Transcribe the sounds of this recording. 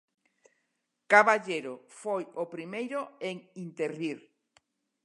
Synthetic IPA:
kaβaʎeɾofojopɾimejɾoeŋint̪eɾiɾ

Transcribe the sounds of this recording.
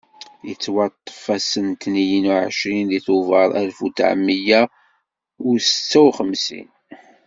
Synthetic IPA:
jət͡sːwɑt̪ˤːə̥fæsənt̪nijənuʕə̰ʃɾinðiθʊvɑɾˤælfut̪ʕə̰mːijæ | ʊɾsə̥t͡sːæwχəmsḭn

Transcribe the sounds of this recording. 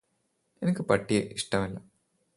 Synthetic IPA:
enikʲːɨpɐʈːijḛʔiʂʈɐmɐlːɐ

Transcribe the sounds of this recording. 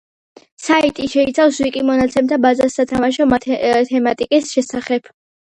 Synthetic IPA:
sait̪ʼiʃɛit̪sʰafswikʼimɔnat̪sʰɛmt̪ʰabazasːat̪ʰamaʃɔmat̪ʰt̪ʰɛmat̪ʼikʼisʃɛsaχɛb̥

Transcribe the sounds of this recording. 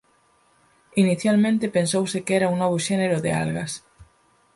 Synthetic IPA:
iniθjalmẽnt̪ɪpensowsɪkɛɾauŋnɔβ̞oʃɛneɾʊðɪ̰a̰lɣɐs

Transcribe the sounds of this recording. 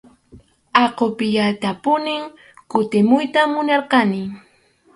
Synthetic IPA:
ɑqopɪʎat̪apʊnɪŋ | kʊt̪ɪmʊjt̪amːʊnɑɾqɑnɪ

